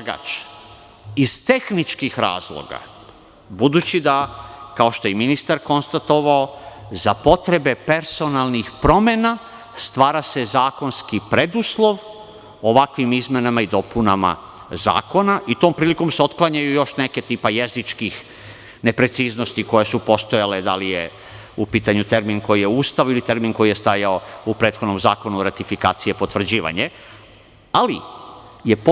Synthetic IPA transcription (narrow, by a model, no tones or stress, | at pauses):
aɡa̰t͡ʃ | iz̥t̪e̞xnit͡ʃkixɾa̰ːzlˠo̰ɡa̰ | bud̪ut͡ɕid̪akao̞ʃt̪o̞jeminist̪aɾko̞nst̪at̪o̞ʋaozapo̞t̪ɾe̞be̞pe̞ɾso̞nalˠnixpɾo̞me̞na | st̪ʋaːɾase̞zaːko̞nskipɾe̞d̪uslˠo̞ʋ | oʋakʋimizmenamaid̪o̞puna̰ma̰ | za̰ːko̞naʔit̪o̞ːmpɾiːliko̞mseo̞t̪klˠaɲajujo̞ʃneke̞t̪iːpajezit͡ʃkix | ne̞pɾe̞t̪siːznost̪iko̞jesupo̞st̪o̞jale̞d̪alijḛ | upiːt̪aɲut̪e̞ɾminko̞jije̞uːst̪aʋuilit̪e̞ɾminko̞jije̞st̪aːjaoupɾet̪xo̞d̪no̞mza̰ːko̞nuɾat̪ifika̰ːt̪sijepo̞t̪ʋr̩d͡ʑiːʋa̰ɲe | ali | jep